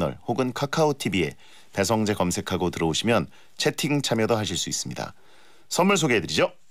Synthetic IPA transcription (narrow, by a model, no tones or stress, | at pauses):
nʌ̰ɭhoɡɯnkʰakʰaotʰibie̞̰ | pe̞s̬ʰʌŋd͡ʑe̞kʌmsʰe̞kʰaɡotɯɾʌoɕʰimjʌn | t͡ɕʰe̞tʰiŋt͡ɕʰamjʌdoɦaɕʰiɭs͈uis͈ɯ̥mɲida̰ | sʰʌnmːuɭs̬ʰoɡeedɯɾid͡ʑo